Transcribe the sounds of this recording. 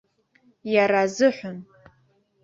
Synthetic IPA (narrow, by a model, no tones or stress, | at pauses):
jaɾazɨħʷʊn